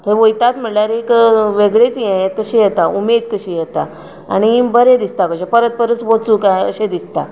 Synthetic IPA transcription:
t̪əɾʋojt̪at̪m̤əɽlaɾekʋeɡɭet͡sijɛjet̪kəɕijɛt̪aumed̪kəɕijɛt̪a | a̰ɽ̃ibəɾed̪ist̪akəɕepəɾət̪̚pəɾət͡sbot͡sukajə̰ɕẽd̪ist̪a

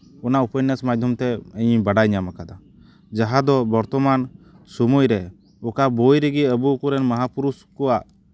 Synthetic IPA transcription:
ɔnaupənːəsmad̪ʱjɔmt̪ɛəjbaɖajɲamakad̪a | d͡ʒaɦad̪ɔbɔɾt̪ɔman | sumujɾɛ | ɔkabojɾɛɡiəbuːkuɾɛnməɦapuɾuskɔaʔ

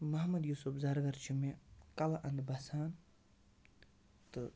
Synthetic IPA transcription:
mɐɦmɐd̪juːsupzɐɾɡɐɾt͡ʃʰimekɐlaʔɐnd̪bɐsaːn | t̪ɨ

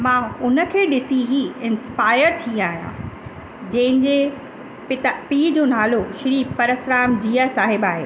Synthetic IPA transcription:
mãːʊnə̆kʰeːɗɪsiɦiɪ̃nspaːɪəɾt̪ʰĩːaːɦijã̰ | d͡ʑɐ̃ɦɪ̃nd͡ʑe | ɪpiːd͡ʑoːnaːloʃɾiːpɐɾəsɾaːmd͡ʑiːasaːɦɪbaːɦḛː

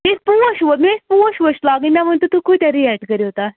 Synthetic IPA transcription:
espuəɕʋəmespuə̃ɕʋəɕlaɡĩnd̪am̤əɳt̪ut̪uːkʰut̪aɾiɛʈkəɾiɦot̪a

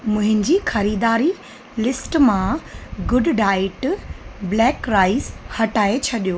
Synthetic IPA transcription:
mʊ̃ɦɪ̃nɪ̆d͡ʑixɐɾiːd̪aːɾi | lɪsʈmãɡʊɖɖaːɪʈblɛːkɾaːɪzhɐʈaːet͡ɕʰɐɗijoː

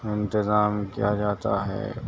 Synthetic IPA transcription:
ɪ̃nt̪ɪzaːmkijad͡ʒaːt̪a̰ɦɛ̰ː

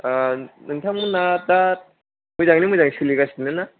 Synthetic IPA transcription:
anɯntʰaŋmɯnːad̪at̚ | mɯzaŋnimɯzaŋsʰɯliɡasʰinːɯnːa

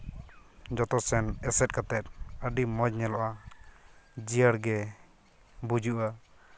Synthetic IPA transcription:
d͡ʒɔt̪ɔsɛnɛsɛt̪̚kat̪ɛt̪̚əɖimɔd͡ʒɲɛlɔʔa | d͡ʒijəɽɡɛ | bud͡ʒuʔa

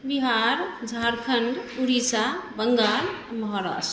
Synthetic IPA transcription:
biɦaːɾd͡ʒʱaːɾkʰəɳɖuɾisabəŋɡaːɾmɐɦɔɾa̰ːs

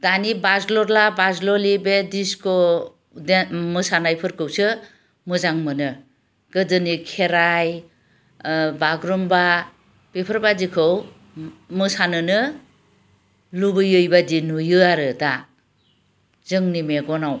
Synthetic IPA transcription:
d̥anibazlɔɾlabazlɔlibediskɔ | demɯsanajpʰɯɾkʰɯwsɯ | mɯzaŋmɯnɯ | ɡ̥ɯdɯnikʰeɾaj | baɡɾumba | bipʰɯɾbadikʰɯw | mɯsanɯnɯ | lubɯjɯjbadinujɯaɾɯda | zɯŋnimeɡɔnaw

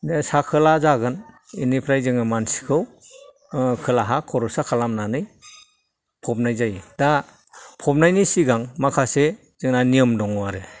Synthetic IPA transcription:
desakʰɯlazaɡɯn | inipʰɾajzɯŋamansi̥kʰɯw | kʰɯlaɦakʰɔɾɔsakʰalamnanɯj | pʰɔp̚najzajda | pʰɔp̚najnisiɡaŋmakʰase | zɯŋnaniɯmdɔŋɔwaɾɯ

